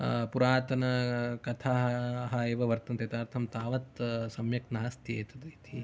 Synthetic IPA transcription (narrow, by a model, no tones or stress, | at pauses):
puɾaːt̪ɐnɐkɐt̪ʰaːɦɦɐeːʋɐʋɐɾt̪ɐnt̪et̪aːɾt̪ʰɐmt̪aːʋɐt̪sɐmjɐknɐɦɐst̪jeːt̪ɐd̪ɐit̪ʰi